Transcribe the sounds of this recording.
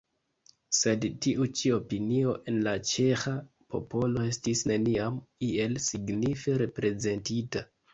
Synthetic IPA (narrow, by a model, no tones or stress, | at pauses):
se̞dtiʔut͡ʃio̞pinio̞ʔe̞nlat͡ʃe̞xa | pʰo̞̰po̞lo̞e̞stisne̞niamie̞lsiɡnife̞ɾe̞pɾe̞ze̞ntita